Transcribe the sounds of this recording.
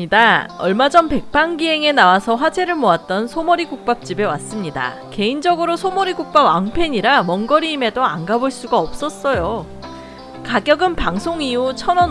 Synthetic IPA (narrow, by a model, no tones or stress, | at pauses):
idaʌɭmad͡ʑʌnpe̞k̚p͈aŋɡiɦe̞ŋenawasʰʌɸwad͡ʑe̞ɾɯɭmoat̚t͈ʌnsʰomoɾiɡuk̚p͈ap̚t͡ɕ͈ibe̞wa̰s͈ɯmɲida̰ | ke̞ind͡ʑʌɡɯɾosʰomʌɾiɡuk̚p͈abaŋpʰe̞ɲiɾamʌŋɡʌɾiːme̞doanɡaboɭs͈uɡaʌp̚s͈ʌs͈ʌjo | kaɡjʌɡɯnpaŋsʰoŋiut͡ɕʰʌnʌ